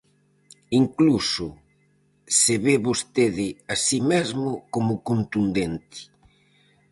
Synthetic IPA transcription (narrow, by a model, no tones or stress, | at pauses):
iŋklusʊ | seβeβost̪eðɪasimezmʊkomʊkont̪und̪ent̪ɪ̥